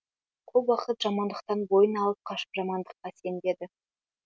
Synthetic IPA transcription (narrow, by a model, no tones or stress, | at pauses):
qʰolˠwɑqət̪ʒ̥ɑmɑnd̪əq̚t̪ɑnbo̞jənɑlˠəp̚qʰɑʃə̥pʒɑmɑnd̪əqːɑse̞nd̪e̞d̪ɪ